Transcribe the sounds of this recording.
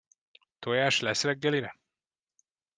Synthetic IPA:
t̪ojaʃlɛsɾɛɡːɛliɾɛ

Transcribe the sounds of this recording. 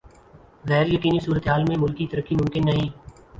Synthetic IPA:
ɣɛːɾjuʈiːnisuːɾət̪eɦaːlmẽmʊlkit̪əɾəkːimʊ̃mkɪnːɐɦĩː

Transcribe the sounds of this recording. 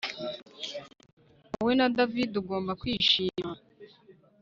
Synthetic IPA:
a̰wenadaviduɡo̞ːmbakwiːʃiːma

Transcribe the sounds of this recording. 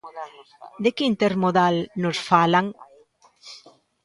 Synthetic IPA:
d̪ekint̪eɾmoðalnosfalaŋ

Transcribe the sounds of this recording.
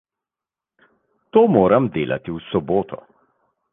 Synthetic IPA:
t̪oːmoːɾɐmd̪ḛːlʔa̰t̪iwsɔboːt̪ʰɔ̰

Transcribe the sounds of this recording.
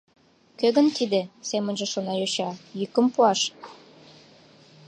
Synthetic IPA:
køɣə̆nt̪id̪esemə̆nʒĕʃonɑjoɕɑjykə̆mpuɑʃ

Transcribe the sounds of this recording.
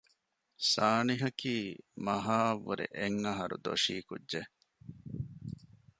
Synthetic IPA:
saːniɦɐkiːmɐɦaːʋːuɾḛʔeŋːɐɦɐɾṵd̪o̰ʂiːkudːe

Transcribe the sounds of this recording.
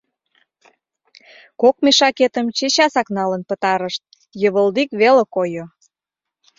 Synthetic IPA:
kokmeʃɑket̪əmt͡ɕet͡ɕɑsɑknɑlənpət̪ɑɾəʃt̪̚ | jəβəld̪ikβelekojo

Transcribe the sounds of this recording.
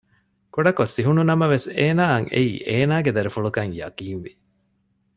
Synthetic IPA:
kuɖɐkosiɦununɐmɐʋeseːnaːɐŋḛiːʔeːnaːɡed̪ɐɾifuɭukɐŋjɐ̰kiːnʋi

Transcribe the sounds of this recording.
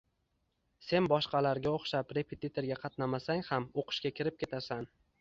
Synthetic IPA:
se̞nbɒʃqɑlaɾɡʲaoχʃapɾe̞pʰet̪ʰit̪ʰe̞ɾɡʲaqʰɑt̪namasaŋhamoqʰɨ̥ʃkʲakʲʰɪɾɪp̚kʲʰe̞t̪ʰasan

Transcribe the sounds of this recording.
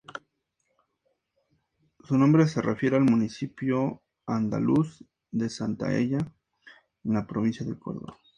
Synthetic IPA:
sunombɾe̞s̬e̞refje̞ɾealmũnisipjo̞ | and̪a̰luz | ðe̞sant̪a̰ḛʝa | enlapɾo̞β̞insjaðelko̞̰ɾðo̞̰βa

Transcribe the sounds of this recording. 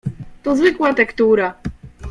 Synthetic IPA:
t̪ɔzvɘkwat̪ɛkt̪uɾa

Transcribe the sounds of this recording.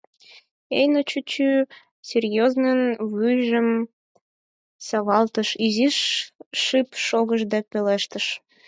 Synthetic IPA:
ejnot͡ɕut͡ɕy | sʲerjoznənvujʒəm | sɑβɑlt̪əʃiziʃː | ɨpʃoɣəʒd̪ɑpeleʃt̪əʃ

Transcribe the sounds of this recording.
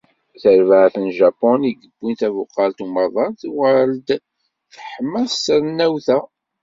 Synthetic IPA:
θəɾvəʕθənʒɑpːɔniɡəbːinθævuqɑlt̪umɑðˤɑnθwəld̪ | θəħmːæsːəɾnːæwθæ

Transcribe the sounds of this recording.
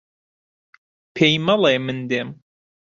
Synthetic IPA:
pʰejmɐlˠemɨnd̪eːm

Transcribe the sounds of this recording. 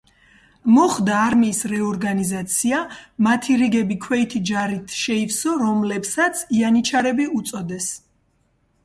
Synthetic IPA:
mɔχd̪aːɾmiːsɾɛɔɾɡanizat̪sʰiamat̪ʰiɾiɡɛbikʰwɛit̪ʰid͡ʒaɾit̪ʰʃɛifsɔɾɔmlɛpsat̪sʰianit͡ʃʰaɾɛbiut̪sʼɔd̪ɛs

